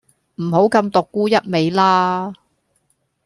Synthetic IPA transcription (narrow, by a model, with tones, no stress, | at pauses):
m̩˨˩ho˨˥wkɐ˧mt̪ʊ˨kːuː˥jɐ˥t̚me˨˧jlaː˥